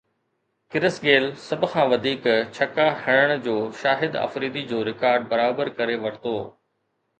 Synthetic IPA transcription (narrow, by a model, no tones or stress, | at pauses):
kɪɾəsɡeːlsɐbʱʊ̆kʰãːʋɐd̪ʱiːkt͡ɕʰɐkahɐɽ̃əɽ̃d͡ʑoːʃaːɦɪd̪ɐ̰fɾiːd̪id͡ʑoːɾɪkaːɾɖ̚bɐɾaːbəɾkɐɾeʋɐɾt̪oː